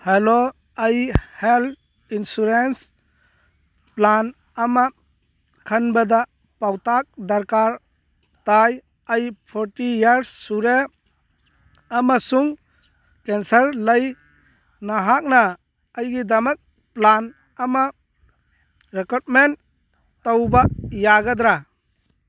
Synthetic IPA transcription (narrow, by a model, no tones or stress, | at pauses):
helo | əjhelt | insuɾens | plan | ɐma | kʰɐnbɐd̪a | pawtak̚d̪ɐɾkaɾ | taj | əjpʰɔɾtijaɾsːuɾe | ɐmasuŋ | kensɐɾləj | naɦak̚nɐː | jɡid̪ɐmɐk̚ | plan | ɐma | ɾekot̚men | towbajaɡɐd̪ɾa